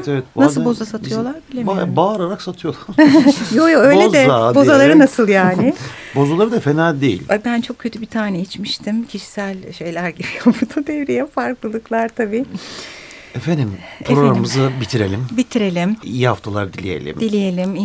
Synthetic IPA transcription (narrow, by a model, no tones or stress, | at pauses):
t̪evɛt̪̚b̪asɯlˠbo̞zasat̪ʰɯjo̞lˠaɾbilʲembaɾaɾaksat̪ʰɯjo̞lˠaɾjojoø̞jlezd̪ɛabo̞zalˠaɾɯnasɯlˠjaːnɪbo̞zulˠaɾɯd̪afenalʲd̪ejḭlʲab̪ænt͡ʃʰo̞k̚cʰːøt̪ʰybit̪ʰaːnɛjit͡ʃmiʃt̪ʰimcʰiʃi̥sælʲʃe̞jlʲæɾɟibijobuɾd̪ud̪ɛvɾijɛfaɾklˠɯlˠɯklˠaɾt̪ʰabiː | efend̪impɾoɾammɯzabit̪ʰiɾe̞lʲimbit̪ʰiɾe̞lʲimḭjihaft̪ʰalˠaɾd̪ilʲḭje̞̰lʲḭmd̪ilʲije̞lʲim